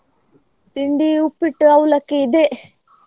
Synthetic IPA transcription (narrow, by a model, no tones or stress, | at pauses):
t̪iɳɖiːupːiʈːɨawulɐkid̪eʔ